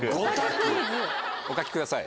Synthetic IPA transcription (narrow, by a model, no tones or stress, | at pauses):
ɯɡot̪akɯbɯ | okakʲi̥kɯd̪asaḭ